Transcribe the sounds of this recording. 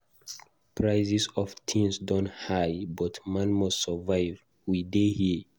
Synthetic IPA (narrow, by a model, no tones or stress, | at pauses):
pʰɹaɪzisɔvtʰĩnsdɔ̃nthajbɔtmãnmɔstsəvaɪv | widehi